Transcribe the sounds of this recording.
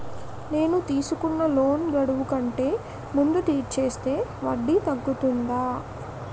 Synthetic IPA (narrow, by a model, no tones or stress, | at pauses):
ne̞ːnut̪iːsukunːɐlo̞ːnɡɐɽuʋukɐɳʈe̞ː | mund̪ut̪iːʈ̚t͡ʃe̞ːst̪e̞ːʋɐɖːit̪ɐɡːut̪und̪aː